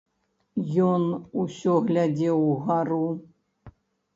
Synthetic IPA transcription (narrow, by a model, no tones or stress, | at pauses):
jɔnusʲɔɣlʲad͡zʲɛwɣaɾu